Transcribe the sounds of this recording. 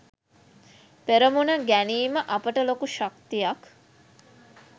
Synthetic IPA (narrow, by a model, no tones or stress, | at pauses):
peɾəmunəɡæniːməʔɐpəʈəlokuʃak̚t̪ijɐk